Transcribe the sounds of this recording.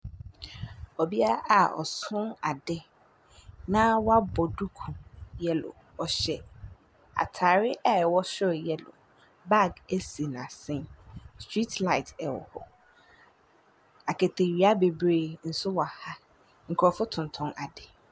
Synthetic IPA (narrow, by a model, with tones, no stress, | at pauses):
ɔ˨bi˦a˦a˦ʔa˨ɔ̰˨sʊ̃˦na˨dɛ˦ | nã˦wɔ˦a˦bɔ˨du˦kʰũ˨jɛ˦lʊ̰˨ | ɔ˨ɕɛ˨ | a̰˨tʰa˨ɾɪ˦ʔɛ˦˨wɔ˦ɕɪ˦ɾjɛ˦lʊ̰˨ | ba˦˨ɡe˦si˨n˨a˨sɪ̃˦nstʰɹi˦tla˨ɪ˨tʰɛ˨wɔ̰˨hɔ˨ | a˨kʰe˨tʰe˨ɥi˨˦a˦be˨bɾe˦˨n̩˨sʊ˦wɔ˨a˨ha˦ | ŋ̩˨kʰɾɔ˨fʊ˦tʰʊ̃˨n˨tʰʊ̃˦nʔa˨dɛ˨